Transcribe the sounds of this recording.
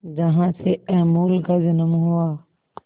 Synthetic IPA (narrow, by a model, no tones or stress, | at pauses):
d͡ʒɐɦãːseɛːmuːlkad͡ʒɪnəmɦʊaː